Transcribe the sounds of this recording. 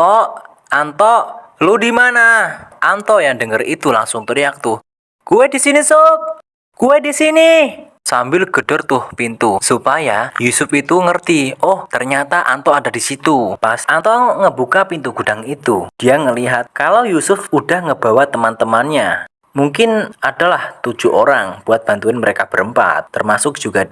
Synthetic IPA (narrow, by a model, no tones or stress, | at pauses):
ɔʔ | ant̪ɔʔ | ludimanaʔant̪ɔjaŋdəŋərḭt̪ulaŋsʊŋt̪uɾijak̚t̪ʊh | kuwɛdisiniso | kuwedisini | sambɪlɡ̥ə̤d̥ɔrt̪ʊhpint̪usupajajusʊfit̪uŋərt̪iɔht̪ərɲat̪aʔa̰nt̪oadadisit̪upasant̪ɔŋəbukapint̪uɡ̥ud̥aŋit̪ud̥ijaŋəliɦat̪̚kalawjusʊfudahŋəbawat̪əmant̪əmanɲa | muŋkɪnadalaht̪ud͡ʒ̥uʔoɾaŋb̥uat̪̚b̥ant̪uɪnməɾekab̥əɾəmpa̰t̪ːərmasʊk̚ʒ̥uɡ̥a